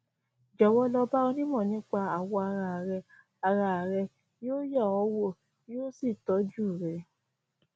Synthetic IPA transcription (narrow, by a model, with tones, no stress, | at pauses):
d͡ʒɔ˨wɔ˧˦lɔ˧ba˦ɔ˧nĩ˦mɔ̃˦˨nĩ˨˦k͡pa˧a˨wɔ˧a˧ɾa˧˨ɾɛ˧ | a˧ɾa˧˨ɾɛ˧ | jo˦ja˦˨ɔ˨˦wo˦ | o˦si˦˨tɔ˨˦d͡ʒu˦˨ɾɛ˧